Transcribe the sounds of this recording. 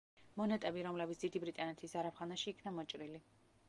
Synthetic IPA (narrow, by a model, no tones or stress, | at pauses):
mɔnɛt̪ʼɛbiɾɔmlɛbitsd̪̥id̪ibɾit̪ʼanɛt̪ʰisaɾapχanaʃiːkʰnamɔt͡ʃʼɾili